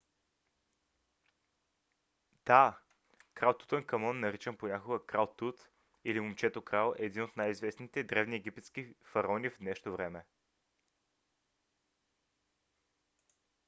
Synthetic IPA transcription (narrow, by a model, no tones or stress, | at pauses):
d̪̥a | kɾalˠt̪u̥t̪ənkɐmɔnːɐɾit͡ʃɛnponʲakoɡəkɾalˠt̪ut̪ | ilimomt͡ʃɛt̪okɾalˠɛːd̪inot̪najizvɛsnit̪ɛd̪ɾɛvniɛɡ̟ipɛt̪sk̟ifɐɾɔnʲivd̪nɛʃt̪ovɾɛmɛ